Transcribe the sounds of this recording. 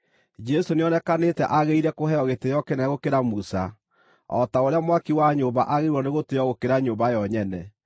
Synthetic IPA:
d͡ʒɛsoneɔnɛkanetɛʔaɣeiɾɛkohɛɔɣetejɔkenaɣokeɾamusa | ɔ̰taoɾeamwakiwaɲoːβa̰ʔaɣeɾwɔneɣoteɔɣokeɾaɲoːmbajɔɲɛnɛ

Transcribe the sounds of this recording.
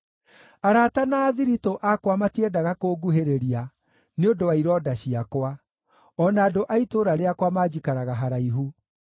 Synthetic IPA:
aɾatanaːðiɾitoʔakwamatiɛdaɣakoːɡuɦeɾeɾia | neondowaiɾɔdaɕiakwa | ɔnaːdoʔaitoɾaɾeakwamaːd͡ʒikaɾaɣaɦaɾaiɦu

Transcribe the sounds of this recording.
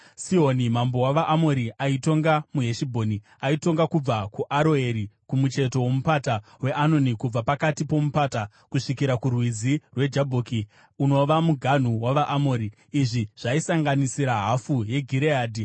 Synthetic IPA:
sionimambo̞waʋaʔːmoɾiaito̞ŋɡamuɦe̞ʃibʱo̞ːni | aito̞ŋɡakub͡vakuʔaɾoe̞ɾikumut͡ʃe̞to̞wo̞mupatawe̞ʔano̞nikub͡vapakatipo̞mupaːta | kuʂikiɾakurwid͡zirwe̞d͡ʒabʱoːki | uno̞ʋamuɡʱan̤uwaʋaʔːmoːɾiː | ʐiʐ̥aisaŋɡanisiɾaɦafuje̞ɡʱiɾeaːdʱi

